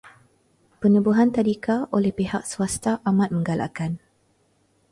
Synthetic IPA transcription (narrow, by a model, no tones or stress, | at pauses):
pənubuɦant̪adikaʔolɛhpehak̚səwast̪aʔamat̪̚mə̃ŋɡalʔa̰kan